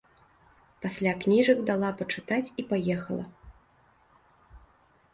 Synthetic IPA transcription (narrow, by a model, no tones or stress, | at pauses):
pasʲlʲaknʲiʐɐɡd̪alˠapɐt͡ʂɨt̪at͡sʲipajɛxɐlˠɐ̰